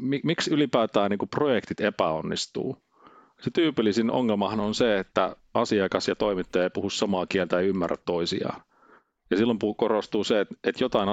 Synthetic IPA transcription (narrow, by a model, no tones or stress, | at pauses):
mimiksylipæːt̪æːniːŋkuprojekt̪it̪epæonːist̪ṵː | set̪yːpilːisino̰ŋːelmɑhɑnonseet̪ːæ̰ | ɑsiɑkɑsjɑt̪oimit̪ːɑjɑeipuhussɑmɑːkielt̪æeiymːæ̰rːæ̰t̪t̪oisḭɑ̰ː | jɑsilːompukorost̪uːseet̪et̪jot̪ɑin